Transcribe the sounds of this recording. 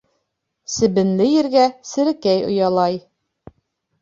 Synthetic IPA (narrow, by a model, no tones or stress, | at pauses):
sɘ̆bɘ̆nlɘjɘ̆ɾɡæsɘ̆ɾɘ̆kæjŏ̰jɑlˠɑj